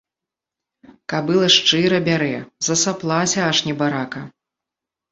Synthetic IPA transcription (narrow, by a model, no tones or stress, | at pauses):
kabɨlˠɐʂt͡ʂɨɾɐbʲaɾɛzɐsaplˠasʲɐaʂnʲɛbaɾakɐ